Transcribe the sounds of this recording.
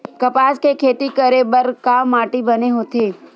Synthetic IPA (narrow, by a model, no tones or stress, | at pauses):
kɐpaːskekʰeːt̪ikəɾebəɾkaːmːaːʈibɐneɦoːt̪eː